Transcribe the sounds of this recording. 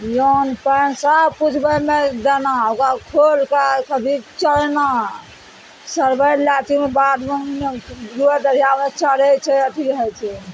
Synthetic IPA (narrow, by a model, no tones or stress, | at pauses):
jonpəjnsapud͡ʒʱbəmed̪enaokakʰolkakəd̪ʱit͡ʃəlna | səɾbəlat̪imebad̪meneɾued̪əɾijamet͡ʃəɾɛt͡ʃʰɛəʈ̪ʰiɾəɦɛt͡ʃʰɛ